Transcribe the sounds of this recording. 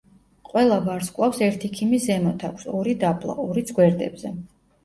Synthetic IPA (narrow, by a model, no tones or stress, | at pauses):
qʼwɛlˠabaɾskʼwafsɛɾt̪ʰikʰimizɛmɔt̪ʰakʷʰsɔɾid̪apʰlˠa̰ʔɔɾit̪sʰɡwɛɾd̪ɛ̰bzɛ